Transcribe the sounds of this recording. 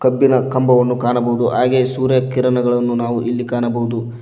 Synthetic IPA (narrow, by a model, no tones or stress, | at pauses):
kɐbːinɐkɐmbɐʋɐnːukaːnɐbɐɦud̪uɦaːɡeːsuːɾjɐkiɾɐnɐɡɐɭɐnːunaːʋuʔilːikaːɳɐbɐɦud̪u